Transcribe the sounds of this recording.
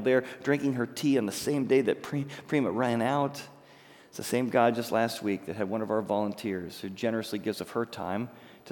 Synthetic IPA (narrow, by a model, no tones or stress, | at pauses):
ðə˞d̥ɹɪ̃ŋkɪ̃ŋə˞tʰiɨ̃nðɨsẽɪ̃mdeɪðɨt̚pʰɹ̥ipʰɹ̥ĩməɹæ̃naʊt | tsðɨsẽɪ̃mɡaɪd͡ʒʌstˡlæst̚wik̚ðɨt̚ɦɨd̚wʌ̃nʌvaʊə˞vɑlˠə̃ntʰɪɹz̥hʉd͡ʒɛnə˞ɨsliɡɪvzʌv̥hə˞tʰã̰ɪ̃m | tʰ